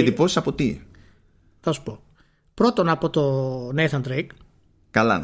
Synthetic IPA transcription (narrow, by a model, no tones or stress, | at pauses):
ed̪ipo̞si̥sɐpo̞t̪i | θɐsu̥po̞ | pɾo̞t̪o̞nɐpot̪o̞neθɐnd̪ɾejk | kɐlɐ̰